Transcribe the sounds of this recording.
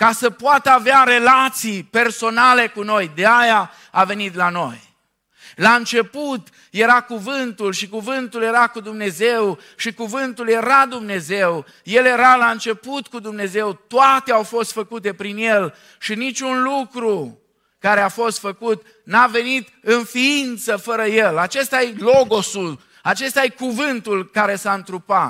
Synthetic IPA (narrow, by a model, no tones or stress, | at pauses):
kasəpoat̪əaveaɾe̞lat̪sijpe̞rso̞nale̞kuno̞jd̪eaja | ave̞nit̪lano̞j | laɨnt͡ʃe̞put̪ | je̞ɾakuvɨnt̪ulʃikuvɨnt̪ulje̞ɾakud̪umne̞zew | ʃikuvɨnt̪ulje̞ɾad̪umne̞zew | je̞lje̞ɾalaɨnt͡ʃe̞put̪kud̪umne̞ze̞wt̪oʊat̪eawfo̞st̪fəkut̪̬e̞pɾinje̞l | ʃinit͡ʃʲunlukɾu | kaɾeafo̞st̪fəkut̪ | nave̞nit̪ɨnfiint̪səfəɾəjelat͡ʃe̞st̪ajelo̞ɡo̞sul | at͡ʃe̞st̪ajekuvɨnt̪ulkaɾe̞saɨnt̪ɾupat̪